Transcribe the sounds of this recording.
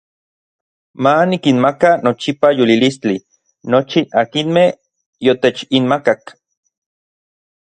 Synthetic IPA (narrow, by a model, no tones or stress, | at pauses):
manikinmakanot͡ʃipajolilist͡ɬi | not͡ʃiʔakinmeh | jot̪et͡ʃinmakak